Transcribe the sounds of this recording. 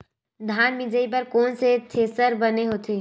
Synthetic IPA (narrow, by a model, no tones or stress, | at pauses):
d̪ʱaːnmɪd͡ʒəip̬ɐɾkɔːnset̪ʰeːsəɾbɐneɦoːt̪ʰeː